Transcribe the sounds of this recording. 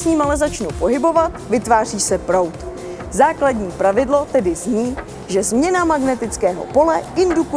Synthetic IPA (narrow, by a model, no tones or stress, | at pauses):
sɲiːmalɛzat͡ʃnupo̞ɦɪbo̞vat̪vɪt̪vaːr̝iːsɛpɾo̞wt̪ | zaːkladɲiːpɾavɪdlo̞t̪ɛdɪzɲiː | ʒɛzmɲɛnamaɡnɛt̪ɪt͡skɛːɦo̞̰po̞lɛɪnduku